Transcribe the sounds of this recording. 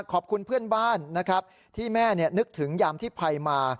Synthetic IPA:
kʰɔː˨˩p̚kʰu˧npʰɯ˥˩ənbaː˥˩nːa˦˥kʰɾa˦˥p̚ | t̪ʰiː˥˩mɛː˥˩ni˥˩ɐnɯ˦˥k̚t̪ʰɯ˩˦ŋjaː˧mt̪ʰiː˥˩pʰa˧jmaː˧

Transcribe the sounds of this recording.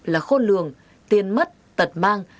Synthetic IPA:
laː˨˩xo˧nlɨ˨əŋ | t̪i˨˩ənmə˦˥t̚t̪ə˨˩t̚maː˧ŋ

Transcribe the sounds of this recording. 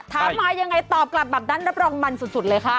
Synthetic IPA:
t̪ʰaː˦mːaː˧ja˧ŋːa˧jt̪ɔː˨˩p̚kla˨˩p̚bɛː˨˩p̚naː˦˥˩nɾa˦˥p̚ɾɔː˧ŋma˧nsu˨˩su˨˩t̪̚lɤː˧jkʰa˦˥˩

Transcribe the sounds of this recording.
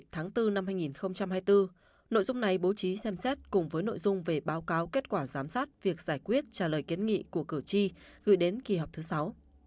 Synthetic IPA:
t̪ʰaː˨˦ŋt̪ɨ˧na˧mhaː˧jŋi˨˩nxə˧wŋ͡mt͡ɕa˧mhaː˧jt̪ɨ˧ | no̰˧˨jzʊ˧ŋ͡mna˨˩jɓo˨˦t͡ɕi˨˦sɛ˧msɛ˦˥t̚kʊ˨˩ŋ͡mvəː˨˦jno̰˧˨jzʊ˧ŋ͡mve˨˩ɓaː˨˦wkaː˨˦wke˦˥t̚kwaː˧˩zaː˨˦msaː˦˥t̚vi˨˩ək̚zaː˧˩jkwi˦˥ət̚t͡ɕaː˧˩ləː˨˩jki˨˦nŋḭ˧˨ku˧˩əkɨ˧˩t͡ɕi˧ɣɨ̰˧˨jɗe˨˦nki˨˩ɦɔ˨˩k͡p̚t̪ʰɨ˨˦sa˨˦w

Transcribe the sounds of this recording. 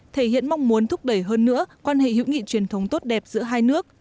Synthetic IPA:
t̪ʰe˧˩hḭ˧˨ənma˧wŋ͡mmu˨˦ənt̪ʰʊ˦˥k͡p̚ɗə˧˩jɦəː˧nːɨ̰˧˥əkwaː˧nhḛ˧˨hḭ˧˥wŋḭ˧˨t͡ɕwi˨˩ənt̪ʰə˨˦wŋ͡mt̪o˦˥t̚ɗɛ˨˩p̚zɨ̰˧˥əɦaː˧jnɨ˦˥ək̚

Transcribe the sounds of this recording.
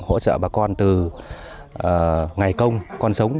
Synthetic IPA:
ho̰˧˥t͡ɕə̰ː˧˨ɓaː˨˩kɔ˧nt̪ɨ˨˩ | ʔːŋa˨˩jkə˧wŋ͡mkɔ˧nsə˨˦wŋ͡m

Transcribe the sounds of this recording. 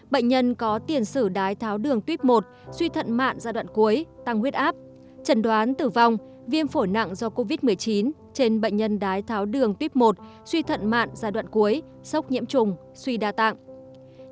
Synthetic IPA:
ɓə̰˧˨ŋ̟ɲə˧nkɔ˨˦t̪i˨˩ənsɨ˧˩ɗaː˨˦jt̪ʰaː˨˦wɗɨ˨˩əŋt̪wi˦˥p̚mo˨˩t̚swi˧t̪ʰə̰˧˨nma̰ː˧˨nzaː˧ɗwa̰ː˧˨nku˨˦əjt̪a˧ŋhi˦˥ət̚ʔaː˦˥p̚ | t͡ɕə˨˧˩nɗwaː˨˦nt̪ɨ˨˩va˧wŋ͡m | vi˧ənfo˧˩jna̰˧˨ŋzɔ˧ko˧vi˦˥t̚mɨ˨˩əjt͡ɕi˨˦n | t͡ɕe˧nɓə̰˧˨j̟ɲə˧nɗaː˨˦jt̪ʰaː˨˦wɗɨ˨˩əŋt̪wi˦˥p̚mo˨˩t̚ | swi˧t̪ʰə̰˧˨nma̰ː˧˨nzaː˧ɗwa̰ː˧˨nku˨˦əj | sə˦˥wk͡p̚ɲḭ˧˥əmt͡ɕʊ˨˩ŋ͡m | swi˧ɗaː˧t̪a̰˧˨ŋ

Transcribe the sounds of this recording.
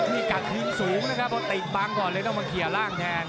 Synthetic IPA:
t̪ʰiː˥˩ka˨˩t̪̚hʰɯː˦˥nsuː˩˦ŋna˦˥kʰa˦˥p̚ʰːɔ˦˥˩t̪i˨˩t̪̚baː˦˧˥ŋkɔː˨˩lɤ˧˦t̪ɔ˥˩ma˧kʰi˨˩əɐwlaː˥˩ŋt̪ʰɛː˧n

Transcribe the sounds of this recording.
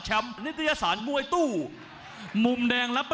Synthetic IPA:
t͡ɕʰɛ˧˥mni˦˥t̪ʰa˧jaː˧saː˩˦nmu˧ə˧jt̪uː˥˩ | mu˧mdɛː˧ŋla˦˥p

